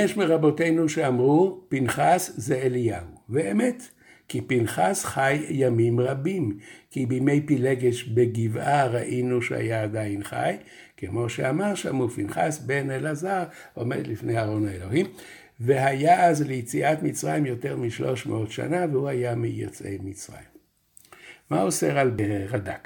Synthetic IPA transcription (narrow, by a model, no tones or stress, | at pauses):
jeʃmeʁabo̞te̞jnuʃeamʁupinχaszeelijauveemet̪ | kipinχasχajːamimʁabimkibime̞jpileɡeʃbeɡivaʁaʔinuʃḛha̰jaːd̪ainχa̰j | kemo̞ʃeamaʁʃa̰mupinχasbenelazaʁ | o̞me̞̰d̪lifnejaːʁo̞naelo̞him | veɦajaʔazlejt͡siʔat̪mit͡sʁajimjo̞t̪e̞ʁmiʃlo̞̰ʃmḛʔo̞t̪ʃa̰navehuhajamijo̰t͡sʔejmit͡sʁa̰jimː | auseʁalbeʁad̪a̰k